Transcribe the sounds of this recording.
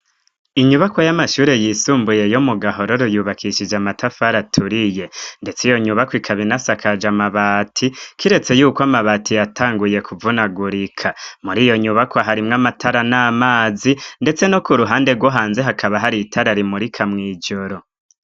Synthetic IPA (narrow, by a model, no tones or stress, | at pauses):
iɲuβako̞jamaʃuːɾe̞jisuːmbuje̞jomuɡaɦo̞ɾo̞ɾujuːβakʰiʃid͡ʒamatʰafaɾatʰuɾije̞nde̞t͡sijo̞ɲuβakwikʰaβinasakʰad͡ʒamaβaːtʰikʰiɾe̞t͡se̞juːkwamaβatʰijatʰaːŋɡuje̞kʰuvunaɡuɾikʰamuɾiːjo̞ɲuβakoaɦaɾimŋamatʰaɾanaːmaːzinde̞t͡se̞nokuɾuɦaːnde̞ɾɡwoɦaːnze̞ɦakʰaβaɦaɾitʰaɾaɾimuɾikʰamŋiːd͡ʒo̞ɾo̞